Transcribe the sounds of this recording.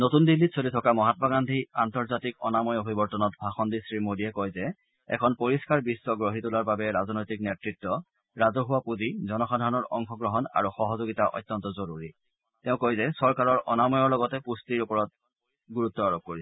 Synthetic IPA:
notundilːitsʰoditʰɔkamɔɦatɔbaɡandʱiantɔɹzatikɔ̰namɔjobʱibɔɹtɔnɔtbʱaxɔndisɹimodiɛkɔjzɛ | ɛ̰kʰɔnpoɹiskaɹbisːɔɡɹoɦitulaɹbabɛɹazɔnojtiknetɹitːɔ | ɹazɔɦʊwapuzizɔnɔxadʱaɹɔnɔɹʔɔŋxɔɡɹɔɦɔna̰ɹuxɔɦɔzoɡitaʔɔ̰jtːɔntɔzoɹuɹḭ | tɛʊ̃kojzɛsɔɹkaɹɔɹʔɔ̰namɔjɔɹlɔɡɔtɛpustiɹupɔɹɔt̚ | ɡuɹut̪ːɔaɹop̚koɹisɛ̥

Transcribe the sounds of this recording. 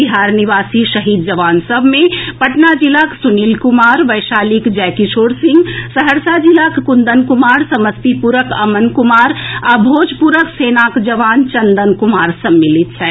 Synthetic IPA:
iɦaːɾniʋaːsiʃɐɦiːd̪̚d͡ʒɐʋaːnsəbʱmẽpɐʈnad͡ʒilaːksʊniːlkʊmaːɾʋɐjʃaːlikd͡ʒɛːkiʃoːɾsɪ̃ŋɡsɐɦəɾsad͡ʒilakkʊ̃nd̪ənkʊmaːɾsɐməst̪ipuɾəkɐmənkʊmaːɾɐbʱoːd͡ʒpuɾəkseːnaːkd͡ʒɐʋaːnt͡ʃɐ̃nd̪ənkʊmaːɾsɐmːɪlɪt̪ɦɛː

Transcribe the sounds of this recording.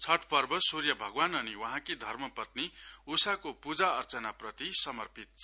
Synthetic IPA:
t͡sʰʌʈʰpʌrbʌsurjʌbʱʌɡwanʌniwʌɦãkid̪ʱʌrmʌpʌt̪̚niusakopud͡zaʌrt͡sʌnaprʌt̪isʌmʌrpit̪̚t͡sʰ

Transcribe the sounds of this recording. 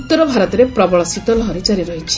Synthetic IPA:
ut̪ːɔɾɔbʱaɾɔt̪ɔɾepɾɔbɔɭɔsit̪ɔlɔɦɔɾit͡ʃaɾiɾɔɦit͡ʃʰi̥

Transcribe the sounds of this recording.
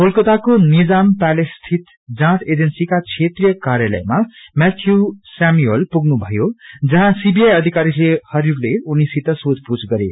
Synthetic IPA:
polkʌt̪akonid͡zampalest̪ʰit̪ | d͡zãt̪ʰed͡zensikat͡sʰet̪rijʌkaɾjalʌ̰jmamɛt̪ʰjusamielpuɡnubʱʌjod͡zʌɦãsibijajʌd̪ʱikaɾilehʌɾiɾuleunisit̪ʌsotput͡sɡʌɾḛ

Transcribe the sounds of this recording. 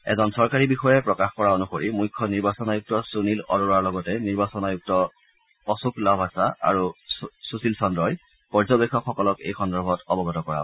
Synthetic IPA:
ɛ̰zɔnsɔɹkaɹibixɔjɛpɹɔkaxkɔɹaonuxoɹimujkʰːɔniɹbasɔnajuk̚tɔsunilɔ̰loɹaɹlɔɡɔtɛniɹbasɔnajuk̚tɔ | ɔsuklabʱasaa̰ɹususilsɔndɹɔj | pɔɹzɔbekʰːɔkʰxɔkɔlɔkejxɔndɔɹbʱɔtɔbɔɡɔtɔkɔɹa̰

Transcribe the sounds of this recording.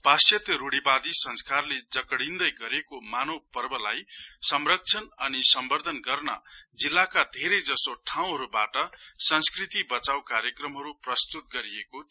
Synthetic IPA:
pasjʌt̪jʌɾuɽibad̪isʌnskarled͡zʌkɽind̪ʌjɡʌɾekomanopʌrbʌlajsʌmrʌk̚t͡sʰʌnʌnisʌmbʌrd̪ʱʌnɡʌrnʌ̰d͡zilːakad̪ʱeɾʌjd͡zʌsoʈʰaw̃ɦʌɾubaʈʌsʌnskrit̪ibʌt͡sawkaɾjʌkrʌmɦʌɾuprʌst̪ut̪̚ɡʌɾieko

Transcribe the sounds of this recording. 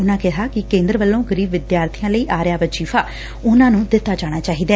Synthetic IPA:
ʊnãːkɛɦaːkɪkẽːnd̪ɾəʋəlːõːɡəɾiːbʋɪd̪jaːɾt̪ʰɪjãːləiːʔaːɾɪjaːʋət͡ʃiːfʰaː | ʊnãːnũːd̪ɪt̪ːaːd͡ʒaːɽ̃aːt͡ʃaːɦiːd̪ɛː

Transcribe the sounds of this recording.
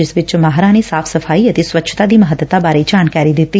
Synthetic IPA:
ɪsʋɪt͡ʃmaːɦɾãnesaːfʰsəfʰaːiət̪eswətːʃʰt̪ad̪iːməɦət̪ːət̪abaːɾed͡ʒaːnkaːɾid̪ɪt̪ːi

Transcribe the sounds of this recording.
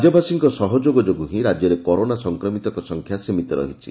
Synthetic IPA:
d͡ʒɔbasiŋkɔsɔɦɔd͡ʒoɡɔd͡ʒoɡuɦĩɾad͡ʒjɔɾekɔɾonasɔŋkɾɔmit̪ɔkɔsɔŋkʰjasimit̪ɔɾɔ̰ɦit͡ʃʰi

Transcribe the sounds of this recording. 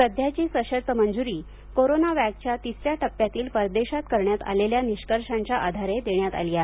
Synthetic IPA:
səd̪ʱjat͡ɕiːsəɕəɾt̪əmənd͡zuɾiː | koɾonaʋakt͡ɕjat̪isɾjaʈəpːjat̪iːlpəɾd̪eɕat̪̚kəɾɳjat̪a̰leljaniɕkəɾʂãɲt͡ɕaʔad̪ʱaɾed̪eɳjat̪a̰lija

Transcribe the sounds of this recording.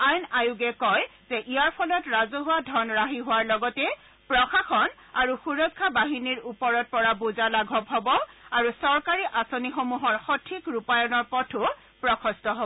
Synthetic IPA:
ajnajʊɡɛkɔjzɛʔijaɹpʰɔlɔtɹazɔɦʊwadʱɔnɹaɦiɦʊwaɹlɔɡɔtɛ | pɹɔxaxɔn | aɹuxuɹɔkʰːabaɦiniɹupɔɹɔt̚pɔɹabuzalaɡʱɔbɦɔbɔaɹusɔɹkaɹiʔasonixomuɦɔɹxɔtʰikɹupajɔnɔɹpɔtʰʊ | pɹɔkʰɔstɔɦɔbɔ

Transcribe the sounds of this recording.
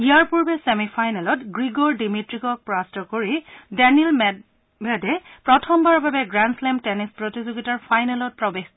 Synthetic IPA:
ijaɹpuɹbɛsemifʰajnɛlɔtɡɹiɡɔɹdimitɹikɔk̚pɹɔastɔkoɹidɛniɛlm | mɛdɛpɹɔtʰɔmbaɹbabɛɡɹanslɛmtɛnispɹotizoɡitaɹfʰajnɛlɔt̚pɹɔbex

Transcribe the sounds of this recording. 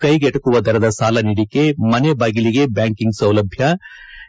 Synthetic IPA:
kɐjɡɛʈɐkuʋɐd̪ɐɾɐd̪ɐsaːlɐniɽikemɐnebaːɡiliɡe̞bjaːŋkiŋɡsɐwlɐbʱjɐ

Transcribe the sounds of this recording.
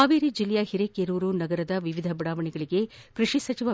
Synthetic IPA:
aːʋiːɾid͡ʒilːɛjɐɦiɾekeɾuːɾunɐɡɐɾɐd̪ɐʋiʋid̪ʱɐbɐɽaːʋɐɳɛɡɐɭiɡe̞kɾiʂisɐt͡ʃiʋɐ

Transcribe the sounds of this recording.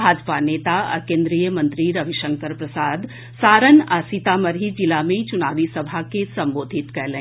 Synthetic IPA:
bʱaːd͡ʒpaneːt̪aɔ̰ɾkẽːnd̪ɾijəmə̃nt̪ɾiɾɐʋiʃə̃ŋkəɾpɾɐsaːd̪ | saːɾənaːsit̪aməɾɦid͡ʒɪlamẽt͡ʃʊnaːʋisɐbʱakesɐ̃mboːd̪ʱɪt̪kɛlẽː

